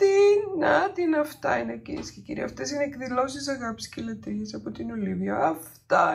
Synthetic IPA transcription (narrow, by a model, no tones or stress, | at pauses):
t̪inɐt̪inɐft̪ɐ̰inekḭscecḭɾḭɐ̰ɐft̪e̞sineːkðilo̞sis̬ɐɣɐpi̥scelet̪ɾiesɐpo̞t̪inoliviɐːft̪ɐ